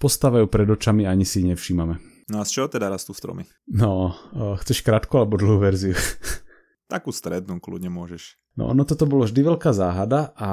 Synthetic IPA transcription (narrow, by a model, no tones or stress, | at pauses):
pɔst̪aːʋajuːpɾɛd̪ɔt͡ʃamiaɲisiɲɛfʃiːmamɛ | nɔast͡ʃɛɦɔt̪ɛd̪aɾast̪ust̪ɾɔ̰mi | nɔxt͡sɛʃkɾaːt̪kualɛbɔd̪l̩ɦuːʋɛɾziu | t̪akuːst̪ɾɛd̪nuːklṵdɲɛmʊɔʒɛʃ | nɔ̰ʔɔ̰nɔt̪ɔt̪ɔbɔlɔʒd̪iʋɛʎkaːzaːɦad̪aʔa